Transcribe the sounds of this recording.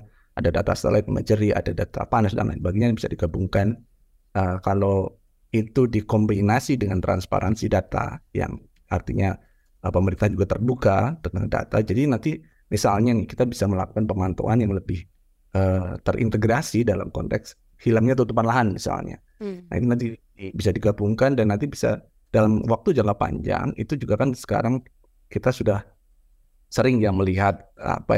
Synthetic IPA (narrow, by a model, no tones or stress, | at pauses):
adadat̪a̰st̪ə̰lat̪̚mə̰d͡ʒəɾia̰dadat̪a̰panasda̰ŋnʔa̰nbaɡiɲajbisadiɡabuŋkan | əkalo | it̪udikɔmbinasidəŋant̪ɾa̰nspa̰ɾʔansidat̪a̰ja̰ŋ | art̪iɲa | əpəməɾint̪aɦand͡ʒuɡat̪ərbukat̪ənəŋanda̰t̪ad͡ʒadinant̪i | misalɲanɪhkit̪abisaməlaku̥kanpəmant̪o̰anjaŋləbɪh | ʔət̪əɾʔḭnt̪əɡɾasidala̰mkɔ̰nt̪ɛ̰ks | hilamɲat̪ut̪upanlaɦanmisa̰lɲa̰ | na̰ḭt̪unant̪i | ibisadiɡabuŋkandanːant̪ibisa̰ | d̥alamwak̚t̪ud͡ʒaŋapa̰ɲd͡ʒa̰ŋḭt̪ud͡ʒuɡakansə̥ka̰ɾaŋ | kit̪asudah | səɾɪŋjaŋməliɦat̪̚a̰pa̰